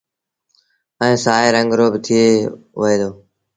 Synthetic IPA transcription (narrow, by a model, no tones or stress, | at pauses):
əẽːsaːɦeːɾəŋɡɾoːbɪt̪ʰɪeːʋəeːd̪oː